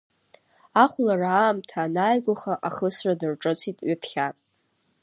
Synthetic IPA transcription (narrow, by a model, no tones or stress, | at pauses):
aχʷlaraːmtʰanajɡʷaχaʔaχəsradɨrʈ͡ʂʼɨt͡sʷʰitʼɥɪpʰχʲatʼ